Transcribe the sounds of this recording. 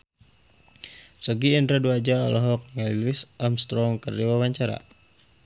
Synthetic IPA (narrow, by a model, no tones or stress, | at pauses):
sɔɡiːndɾaduad͡ʒaɔ̰lɔɦɔk̚ŋalilɪsʔamst̪ɾɔŋkərdiwawaɲt͡ʃaɾa̰